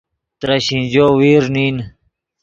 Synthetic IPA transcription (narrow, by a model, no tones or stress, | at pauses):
t̪ɾɐɕĩnd͡ʑoːwiːɾniːn